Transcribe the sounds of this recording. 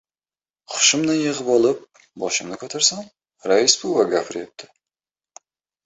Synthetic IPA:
χʰʊ̥ʃɪmnanjɨʁɨbɒlˠɪp̚ | bɒʃɪmnɪkʰʲɵt̪ʰaɾsan | ɾaɪsbuvaɡʲafɪɾep̚t̪ʰɪ̥

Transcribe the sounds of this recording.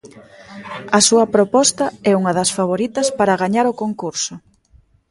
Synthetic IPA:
ɐsuɐpɾopɔst̪ɐɛuŋɐðɐsfaβ̞oɾit̪ɐspaɾɐɣaɲaɾʊkoŋkuɾsʊ

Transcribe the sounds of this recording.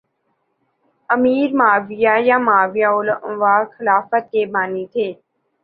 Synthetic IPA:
əmiːɾmaːʋɪjaːjaːmaːʋɪjaːoləʋaːxɪlaːfət̪̚keːbʱaːniːt̪ʰeː

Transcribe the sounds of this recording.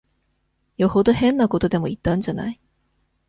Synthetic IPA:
joho̞d̪ohẽ̞nːako̞t̪o̞d̪e̞mo̞it̪ːãɲ̟d͡ʑana̰i

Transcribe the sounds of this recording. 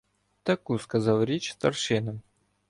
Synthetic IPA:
t̪ɐkujskɐzɑlˠɾʲet͡ɕst̪ɐrʂɨnə

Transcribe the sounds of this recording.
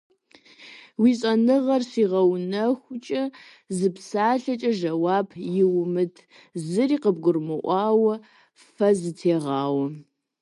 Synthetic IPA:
wiːɕʼɐnɨʁɐrsiːʁɐwnɐxʷʊt͡ʃʼɐ | zɨpsaːɬɐt͡ʃʼɐʒɐwaːbjɪwmɨtʰ | zɨriːqəb̚ɡʷʊrmɨʔʷɑːwɐ | fɐzɨtʰeːʁɑːwɐ

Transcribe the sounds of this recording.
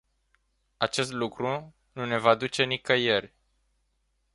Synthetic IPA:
at͡ʃe̞st̪lukɾu | nune̞vad̪ut͡ʃe̞nikəje̞rʲ

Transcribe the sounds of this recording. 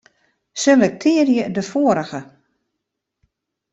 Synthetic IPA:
selɛk̚tʰɪːərjədəfoːəɾəɣə

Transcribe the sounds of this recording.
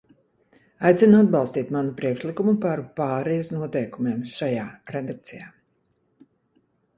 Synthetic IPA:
ajt̪sinuad̪̚bɑlˠst̪iːt̪manupɾiɛkʃlikumupaɾpaːɾɛjusnuɔt̪ɛjkumeɛmʃajaːɾed̪ak̚t̪sijaː

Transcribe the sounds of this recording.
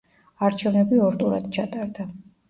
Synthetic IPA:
aɾt͡ʃʰɛvnɛbiɔɾdt̪ʼuɾad̪̥t͡ʃʰat̪ʼaɾd̪a

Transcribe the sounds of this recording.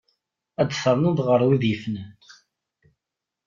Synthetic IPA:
æd̪θəɾˤnənðʁəɾˤwiðjəfnə

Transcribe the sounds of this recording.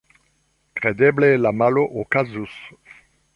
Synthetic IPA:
kʁed̪ɛblelamaloʔokazus

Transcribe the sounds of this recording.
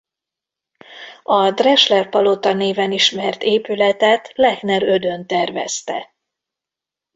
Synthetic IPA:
ɒd̪rɛʃlɛrpɒlot̪ɒneːvɛniʃmɛrt̪eːpylɛt̪ɛt̪lɛknɛɾø̞d̪ø̞nt̪ɛrvɛ̰st̪ɛ̰

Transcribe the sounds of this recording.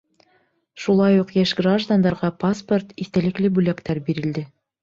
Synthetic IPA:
ʃulˠɑjuqjæʃɡraʒd̪and̪ɑɾʁɑpasport̪iθt̪ælɘ̆klɘbʉlækt̪æɾbiɾɘ̆ld̪ɘ

